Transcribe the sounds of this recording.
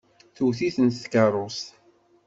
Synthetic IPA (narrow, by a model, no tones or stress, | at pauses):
θuwθiθənt̪θkərˤʊs